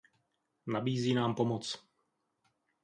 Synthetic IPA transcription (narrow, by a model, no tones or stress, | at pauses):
nabiːziːnaːmpomot͡s